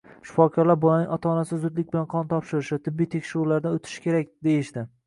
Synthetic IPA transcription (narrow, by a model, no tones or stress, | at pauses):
ʃʊ̥fɒkʰɒɾlaɾbɒlanɪŋʲɒt̪ʰɒnasɪzʊd̪lɪkʲbɪlanqʰɒnt̪ʰɒpʃɪɾɪʃɪt̪ʰɪbːijt̪ʰe̞kʲʃɪɾʊɾlaɾd̪aot̪ʰɪ̥ʃɪ̥kʲe̞ɾakʲd̪e̞jɪʃd̪ɪ